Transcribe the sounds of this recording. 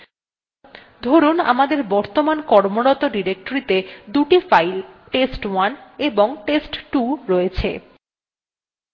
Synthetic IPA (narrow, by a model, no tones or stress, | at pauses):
d̪ʱoɾuna̰mad̪eɾbɔɾt̪omankɔɾmoɽɔt̪oɖiɾek̚ʈoɾit̪ed̪uʈifajlʈesʈwaneboŋʈesʈʈuɾojet͡ɕʰḛ